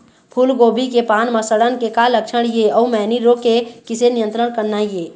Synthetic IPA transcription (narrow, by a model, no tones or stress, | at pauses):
pʰulɡoːbikepaːnməsəɽənkekaləkʃʰəɽ̃jeɔumɛːniɾokekɪsenijə̃nt̪ɾəɽ̃kəɾnajeː